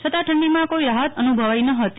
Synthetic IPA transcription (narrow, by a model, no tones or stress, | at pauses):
t͡ʃʰət̪aʈʰəɳɖimãkoiɾaɦət̪ənubʱəʋainəɦət̪i